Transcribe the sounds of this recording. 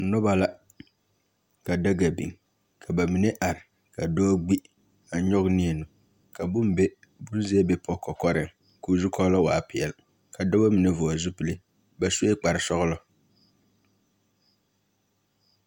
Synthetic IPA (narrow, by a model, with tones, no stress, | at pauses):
nɔ˦ba˦la˦ | ka˨da˦ɡa˨bḭ˨ŋ | kʰa˨ba˨mi˨ne˦ʔa˨ɾɪ˨ | ka˨dɔː˦ɡ͡bi˦ | a˨˦ɲɔ˦ɡni˦ɛ˨nʊ˨ | ka˨bʊ˦m˦bɛ˦ | bʊ˦n˦zɛ˦ɛ˦bɛ˨˦pʰɔ˦kɔ˨kɔ˦ɾɪ˨ŋ | kuː˨zu˦kʰɔ˦lɔ˦wa̰ː˨pɪ˨ɛ˨l | ka˨dɔ˦ba˦mi˨ne˨vʊ˨ɔ˨zʊ˦pɪ˦lɪ˦ | ba˨su˦e˦k͡pa˨ɾɪ˨sɔ˦ɣʊ˦lɔ˦